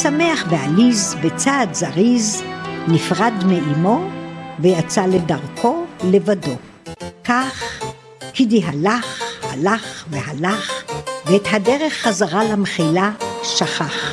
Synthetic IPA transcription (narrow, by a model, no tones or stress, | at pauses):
same̞aχvealizbet͡saːdzaʁiznifʁadmeʔimo̞vejat͡sale̞daʁkʰo̞levado̞ | kaχ | kidiɦalaχhalaχveɦalaχveethadeʁeχːazaʁalamχilaʃaχaχ